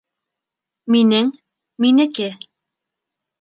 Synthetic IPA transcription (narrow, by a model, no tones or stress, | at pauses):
minɘŋ | minɘ̆kɘ